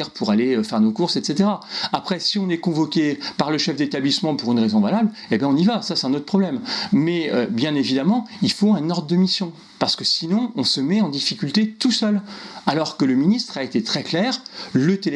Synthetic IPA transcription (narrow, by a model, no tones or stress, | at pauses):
ɛʁpʰuʁaleøfɛʁnokuʁsɛt̪set̪eʁaapχɛsiɔ̃nɛkɔ̃vɔkʲepaʁləʃɛfd̪et̪ablismɑ̃puʁynʁezɔ̃valabl | ebjɛ̃ɔ̃nivasasɛt̪ɛ̃not̪χəpʰχɔblɛmmɛøbjɛ̃nevid̪amɑ̃ilfoɛ̃nɔʁd̪ʁəd̪əmisjɔ̃ | paʁsə̥kəsinɔ̃ɔ̃səmɛɑ̃d̪ifikʲylt̪et̪usœlalɔʁkələminist̪χaet̪et̪χɛklɛːʁlət̪el